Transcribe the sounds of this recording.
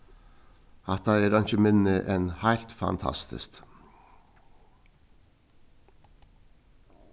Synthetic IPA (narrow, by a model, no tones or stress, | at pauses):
ɑt̪ɑɛːɾɑnçəmɪnːəʔɛnhæɪlt̪fɑ̰nt̪ʰɑ̰st̪ɪ̰st̪